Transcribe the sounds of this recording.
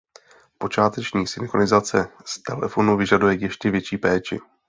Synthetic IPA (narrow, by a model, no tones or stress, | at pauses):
po̞t͡ʃaːt̪ɛt͡ʃɲiːsɪnkonɪzat͡sɛst̪ɛlɛ̰fo̞nuvɪʒadujɛjɛʃcɛvjɛt͡ʃiːpɛːt͡ʃɪ̰